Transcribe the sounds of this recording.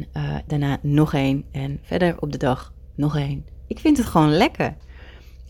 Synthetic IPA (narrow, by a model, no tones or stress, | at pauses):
ədanaːnɔχeːnɛnfɛ̰ɹdəɹɔ̰p̚dədɑx | nɔxeːnʔɪkfɪntətχʋoːnlɛkʰəɹ